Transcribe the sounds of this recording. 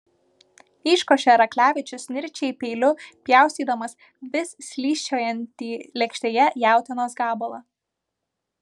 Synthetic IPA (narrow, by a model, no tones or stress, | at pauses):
iːʃkoːʃʲɛɾɐklʲæːʋʲɪt͡ʃʲʊsnʲɪɾʲt͡ʃʲɛɪpʲɛɪlʲʊpʲjæˑʊsʲiːd̪ɐmɐs | ʋʲɪssʲlʲiːʃʲt͡ʃʲoːjɛnʲt̪ʲiːlʲɛkʃʲt̪ʲeːjɛjæˑʊt̪ʲɪnoːsɡɑːbolˠɐ